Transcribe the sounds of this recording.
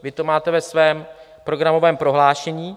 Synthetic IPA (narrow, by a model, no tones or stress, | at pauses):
vɪt̪o̞maːt̪ɛvɛsvɛːm | pɾo̞ɡɾamo̞vɛːmpɾo̞ɦlaːʃɛɲiː